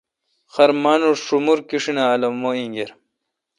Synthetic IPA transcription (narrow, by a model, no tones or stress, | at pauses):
xɐɾmanuʂumuɾkiʂinaːlɐmːoiŋɡeɾ